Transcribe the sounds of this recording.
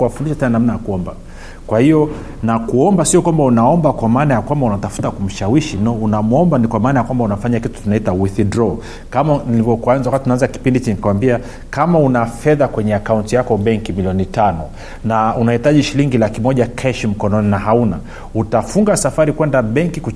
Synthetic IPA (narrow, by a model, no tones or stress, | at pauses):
wafundiʃatɛnanam̩najakuɔmba | kwahiɔ | nakuɔmbasiɔkwambaunaɔmbakwamaːnajakwambaunatafu̥takum̩ʃawiʃinaunamuɔmbanikwamaːnajakwambaunafaɲakitu̥tunaitawiθidɾɔ | kamanilivɔkanzawakatiunaanzaki̥pindiit͡ʃinikawambia | kamaunafɛðakwɛɲɛakauntijakɔɓɛŋkimiliɔnitanɔ | naunahitaʄiʃiliŋɡilakimɔʄakʰɛʃim̩kɔnɔninaɦauna | utafuŋɡasafaɾikwɛndaɓɛŋkiku